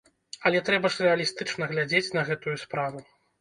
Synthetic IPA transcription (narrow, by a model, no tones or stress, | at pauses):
ɐlʲɛt̪ɾɛbɐʂrɛɐlʲist̪ɨt͡ʂnɐɣlʲad͡zʲet͡sʲnɐɣɛt̪ujuspɾavu